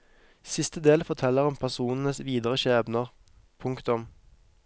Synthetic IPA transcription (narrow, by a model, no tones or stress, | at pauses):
sɪst̪əd̪eːlfɔʁt̪ʰɛlːəʁʊmpʰæʁsuːnən̩əsʋiːd̪əʁəʃeːʋnəʁ | pʰʊŋkt̪ʊm